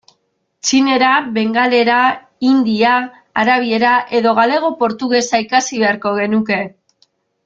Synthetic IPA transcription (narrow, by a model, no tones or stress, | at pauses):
t͡ʃine̞ɾaβe̞ŋɡale̞ɾa | ind̪iaː | ɾaβie̞ɾaʔe̞ðo̞ɣ̞ale̞ɣ̞o̞po̞ɾt̪uɣe̞saikasiβ̞e̞aɾko̞ɣe̞nuke̞